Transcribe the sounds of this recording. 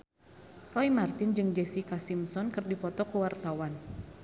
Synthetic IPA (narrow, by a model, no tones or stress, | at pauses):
rɔjmart̪ɪnd͡ʒɨŋd͡ʒɛsikasimsɔnkərdipɔt̪ɔkəwart̪awan